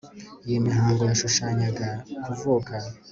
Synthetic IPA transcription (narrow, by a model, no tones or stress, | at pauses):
jimiɦaːŋɡojaʃuʃaɲaɡakuvuːka